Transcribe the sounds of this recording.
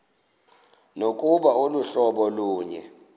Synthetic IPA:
nok̬ʼuɓaoluɬɔɓɔluːɲɛ̰

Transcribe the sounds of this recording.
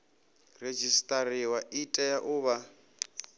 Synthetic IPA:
red͡ʒistʼaɾiwaʔitʼɛjaʔʊːβa

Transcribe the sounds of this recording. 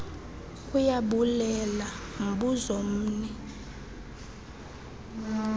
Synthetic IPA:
kʼujaɓulɛlam̩ɓuzom̩ːnɛ

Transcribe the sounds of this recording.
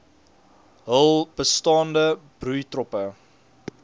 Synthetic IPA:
ɦəlˠb̥əstɑːndəb̥rujtrɔpə

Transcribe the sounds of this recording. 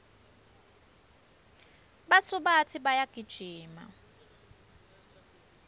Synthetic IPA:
ɓasuɓatʰiɓajaɡ̥ʱid̥ʒ̥ʱiːma̰

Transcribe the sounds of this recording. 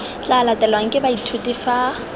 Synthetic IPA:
t͡ɬalatʼɛlwaŋ̩kʼɪbaitʰutʼifa

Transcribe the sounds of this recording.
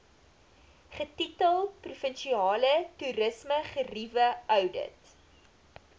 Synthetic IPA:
χətitəlˠprufənʃiɑːlətuɾəsməχərivəœwdə̰t

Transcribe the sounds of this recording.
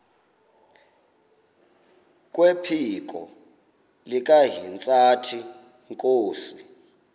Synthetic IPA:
k̬ʼwɛpʰik̬ʼɔ̰ | lik̬ʼaɦint͡sʼatʰi | ŋkʼoːsi

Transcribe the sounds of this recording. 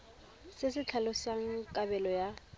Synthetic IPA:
sɪsɪt͡ɬʰalɔsaŋ̩kʼabɛlɔja

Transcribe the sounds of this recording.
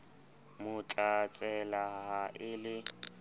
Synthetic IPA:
mʊt͡ɬʼat͡sʼɛlaɦaʔɪlɪ

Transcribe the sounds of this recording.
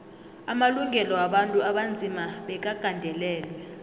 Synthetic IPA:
amaluŋʱɛlɔwaɓantʼuaɓand͡zʱimaɓɛk̬aɡ̥ʱandʱɛlɛːlwɛ

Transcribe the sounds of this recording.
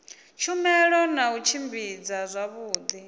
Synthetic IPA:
t͡ʃʰumɛɺɔnaut͡ʃʰimbid͡zazʷaβuːd̪i

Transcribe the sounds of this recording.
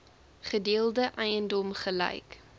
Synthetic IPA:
χədiəlˠdəʔɛjəndɔmχəlɐ̰jk

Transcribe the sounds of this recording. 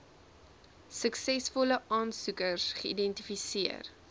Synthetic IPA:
səksɛsfɔləʔɑːnsukərsχəḭdɛntifisiər

